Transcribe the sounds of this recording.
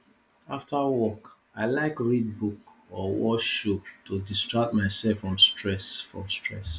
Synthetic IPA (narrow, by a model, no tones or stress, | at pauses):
aftʰəwɔk | aɪlaɪkɹid̚bukɔwɔ̰ʃop̚tʰudistɹak̚tmaɪsɛlfɹɔ̃mstɹɛsfɹɔ̰̃mstʰɹɛ̰s